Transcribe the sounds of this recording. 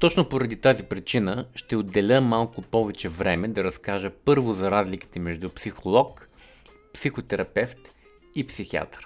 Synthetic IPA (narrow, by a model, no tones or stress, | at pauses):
t̪ɔt͡ʃnopoɾɐd̪it̪azipɾit͡ʃinəʃt̪ɛod̪ːɛlʲəmalˠkʊpɔvɛt͡ʃɛvɾɛmɛd̪ɐɾɐskaʒəpɤɾvʊzɐɾazliki̥t̪ɛmɛʒd̪upsixolˠɔk | psixot̪ɛɾɐpɛft̪ | ipsixia̰t̪ɾ